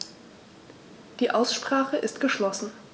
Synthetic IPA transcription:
d̥iːʔaʊsʃpʁ̥aːχəʔɪstɡ̥əʃlɔsn̩

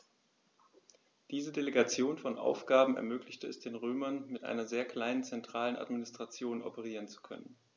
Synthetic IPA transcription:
d̥iːzədeleɡat͡sjoːnfɔnʔa̰ʊfɡ̥aːbm̩ɛ̰ɐmøːklɪçtəɛsd̥eːnʁøːmɐnmɪtʔa̰ɪnɐzeːɐkl̥aɪnənt͡sɛntʁ̥aːləna̰tminɪstʁ̥at͡sjoːnɔ̰pəʁ̞iːʁ̞ənt͡su̥kʰœ̰nən

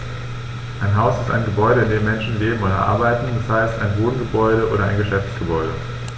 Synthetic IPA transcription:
ʔaɪnɦaʊsɪsta̰ɪnɡəbɔʏɾəɪndeːmːɛnʃn̩leːbm̩oːdɐʔa̰ɐbaɪtn̩dashaɪsta̰ɪnvoːdn̩ɡəbɔʏɾəʔo̰ːɾɐa̰ɪnɡəʃɛft͡sɡ̥əbɔʏɾə

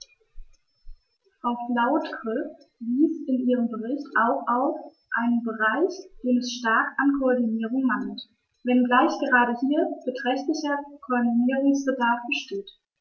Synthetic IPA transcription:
fʁ̥aʊflaʊtkʁʏf | viːsɪnʔiːʁəmbəʁɪçtʔaʊxʔaʊf | ʔaɪnənbəʁaɪçd̥eːnɛsʃtaɐkankʰoɔɐdiniːʁʊŋmant | vɛnɡlaɪçɡ̥əʁaːɾəhiːɐb̥ətʁ̥ɛçtlɪçɐkʰoɔɐdiniːʁʊŋsb̥ədaɐfb̥əʃteːt

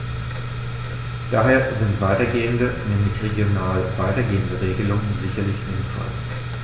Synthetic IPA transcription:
d̥aːɦeːɐzɪntv̥aɪtɐɡeːəndənɛːmlɪçʁeɡjonaːlvaɪtɐɡeːəndəʁeːɡəlʊŋənzɪçɐlɪçz̥ɪnfɔ̰l

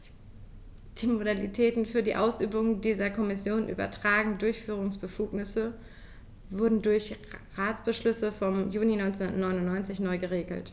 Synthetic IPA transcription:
d̥iːmodalitʰɛːtn̩fyːɐdiːʔaʊsʔyːbʊŋdiːzɐkʰɔmɪsjoːnʔy̰ːbɐ̰tʁ̥aːɡŋ̩dʊɐçfyːʁ̞ʊŋsb̥əfuːknɪsə | vʊɐdn̩dʊɐç | ʁaːt͡sb̥əʃlʏsəfɔmjuːninɔʏnt͡snuntnɔʏnʊnːɔʏnt͡sɪçnɔʏɡəʁeːɡl̩t

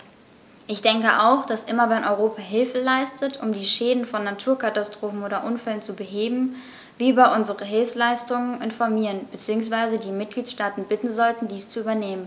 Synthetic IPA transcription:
ʔɪçd̥ɛŋkəʔaʊxd̥asʔɪmɐvɛnʔɔʏʁoːpʰaɦɪlfəlaɪstʰətʰʔʊmdiːʃɛːdn̩fɔnːatʰuːɐkʰatastʁ̥oːfn̩ʔoːɾɐʔʊnfɛlənt͡subəɦeːbm̩ | viːbaʔʊnzəʁəɦɪlfslaɪstʊŋənʔɪnfɔɐmiːʁənb̥ət͡siːʊŋsv̥aɪzədiːmɪt̚ɡ̥liːtʃtaːtn̩bɪtn̩zɔltn̩diːst͡suyːbɐneːmən

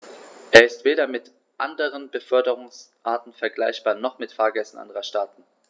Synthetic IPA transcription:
ʔeːɐɪstv̥eːɾɐmɪt | ʔandəʁənbəfœɐdəʁʊŋsʔaːɐtn̩fɛɐɡlaɪçb̥aːɐnɔχmɪtfaːɐɡɛsn̩ʔa̰ndəʁɐʃtaːɐtn̩

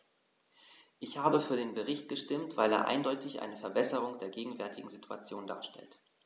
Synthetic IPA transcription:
ʔɪçhaːbəfyːɐɾeːnbəʁɪçt̚ɡ̥əʃtɪmtv̥a̰ɪlḛːɐʔa̰ɪndɔʏtɪçʔa̰ɪnəfɛɐbɛsəʁ̞ʊŋd̥eːɐɡeːɡŋ̩vɛɐtʰɪɡŋ̩zitʰua̰t͡sjoːnda̰ːɐʃtɛ̰lt

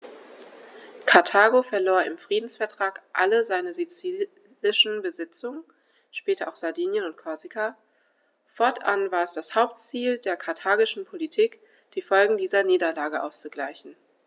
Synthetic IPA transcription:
kʰaɐtʰaːɡofɛɐloːɐɪmfʁ̥iːdn̩sfɛɐtʁ̥aːkʔaləzaɪnəzit͡siː | lɪʃn̩bəzɪt͡sʊŋən | ʃpɛːtʰɐʔaʊxz̥aɐdiːnjənʊnt̚kʰɔɐzikʰa | fɔɐtʰʔa̰nvaːɐɛsd̥ashaʊp̚tt͡siːldeːɐkʰaɐtʰaːɡɪʃn̩pʰolitʰiːk | d̥iːfɔlɡŋ̩diːzɐniːdɐlaːɡəʔaʊst͡suɡlaɪçn̩

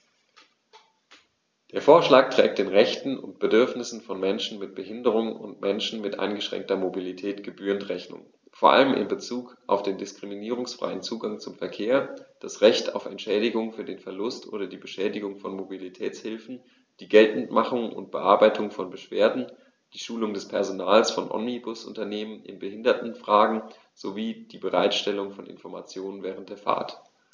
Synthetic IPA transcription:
d̥eːɐfoːɐʃlaːk̚tʁ̥ɛ̰ːk̚t̚d̥eːnʁɛçtn̩ʊ̰ntb̥ədʏɐfnɪsn̩fɔnmɛnʃn̩mɪt̚b̥əɦɪndəʁ̞ʊŋʊ̰ntmʔɛnʃn̩mɪtʔa̰ɪnɡəʃʁ̥ɛ̰ŋk̚tɐmobilitʰɛːtɡ̥əbyːʁəntʁɛçnʊ̰ŋ | foːɐʔa̰ləmʔɪ̰mbət͡suːkʔa̰ʊfd̥eːndɪskʁ̥iminiːʁ̞ʊŋsfʁ̥a̰ɪənt͡suːɡaŋt͡sʊmfɛɐkʰeːɐd̥asʁɛçtʰa̰ʊfɛntʃɛːɾɪɡʊŋfyːɐdeːnfɛɐlʊstʔo̰ːɾɐdiːbəʃɛːdɪɡʊŋfɔnmobilitʰɛːt͡shɪlfn̩ | d̥iːɡɛltn̩tmaχʊŋʔʊ̰nt̚b̥əʔaɐbaɪtʰʊŋfɔnbəʃv̥eːɐdn̩ | d̥iːʃuːlʊŋdɛspʰɛɐzonaːlsfɔnʔɔ̰mnibʊsʔʊ̰ntɐneːmənʔɪ̰nbəhɪndɐtn̩fʁ̥aːɡŋ̩ | z̥oviːd̥iːbəʁa̰ɪtʃtɛlʊŋfɔnʔɪ̰nfɔɐma̰t͡sjoːnənvɛːʁ̞əntd̥eːɐfa̰ːɐt

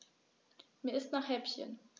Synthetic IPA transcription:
miːɐɪstnaːχhɛpçə̰n

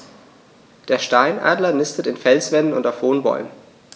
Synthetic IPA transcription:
d̥eːɐʃtaɪnʔa̰ːdlɐnɪstətɪnfɛlsv̥ɛnənʊ̰ntaʊfv̥oːnbɔ̰ʏmən

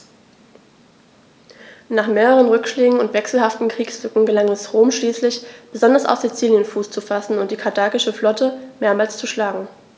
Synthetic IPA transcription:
naːχmeːʁəʁ̞ənʁʏkʃleːɡŋ̩ʊntv̥ɛksl̩haftn̩kʁ̥iːksfʏkŋ̩ɡəlaŋɛsʁoːmʃliːslɪçb̥əzɔndɐsa̰ʊfz̥it͡siːljənfuːst͡sufasn̩ʊntd̥iːkʰaɐtʰaːkɪʃəflɔtəmeːɐmaːlst͡suʃlaːɡŋ̩

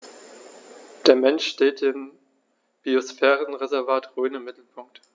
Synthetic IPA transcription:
d̥eːɐmɛnʃʃteːtd̥ɪm | b̥iosfɛːʁənʁezɛɐvaːtʁyːənɪmːɪtl̩pʰʊŋk̚t

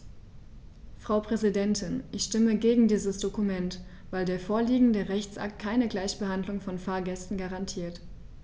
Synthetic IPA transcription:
fʁ̥aʊpʁ̥ɛzidɛntʰɪnʔɪçʃtɪməɡeːɡŋ̩diːzəsd̥okumɛnt | v̥aɪldeːɐfoːɐliːɡŋ̩dəʁɛçt͡sʔa̰k̚t̚kʰaɪnəɡlaɪçb̥əhandlʊŋfɔnfaːɐɡɛstn̩ɡaʁantʰiːɐt

